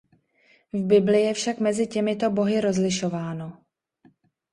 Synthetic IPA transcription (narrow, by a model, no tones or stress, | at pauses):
vbɪblɪjɛfʃakmɛzɪcɛmɪt̪o̞bo̞ɦɪɾo̞zlɪʃo̞vaːno̞